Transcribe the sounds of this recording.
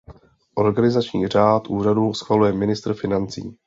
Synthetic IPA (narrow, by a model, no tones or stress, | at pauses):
ʔo̞ɾɡanɪzat͡ʃɲiːr̝aːt̪ʔuːr̝aduːsxvalujɛmɪnɪst̪r̩fɪnant͡sḭː